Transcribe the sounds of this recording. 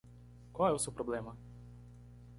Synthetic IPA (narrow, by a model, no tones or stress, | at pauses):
kɔjɛwsupɾɔbleːma